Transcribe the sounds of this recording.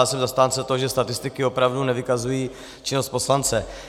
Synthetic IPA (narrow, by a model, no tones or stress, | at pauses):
lsɛmzast̪aːnt͡sɛt̪oʒɛst̪at̪ɪst̪ɪkɪo̞pɾavdunɛvɪkazujiː | t͡ʃɪnost̪̚po̞slant͡sɛ